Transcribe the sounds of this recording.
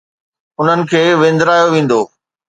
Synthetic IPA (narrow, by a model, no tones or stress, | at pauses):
ʊn̤ənɪ̆kʰeːʋẽːnd̪ɾaːjoʋẽːn̆d̪oː